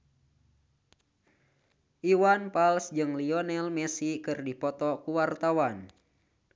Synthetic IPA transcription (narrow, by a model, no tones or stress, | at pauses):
ʔiwanpalsd͡ʒɨŋliɔnɛlmɛsikɨrdipɔt̪ɔkuwart̪awan